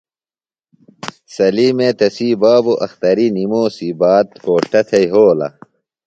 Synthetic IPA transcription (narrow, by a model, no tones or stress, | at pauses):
sɐliːmeːt̪ɐsiːbaːboʔɐxt̪ɐɾinimoːsibaːt̪koːʂʈɐt̪ʰɐjɦoːlɐ̰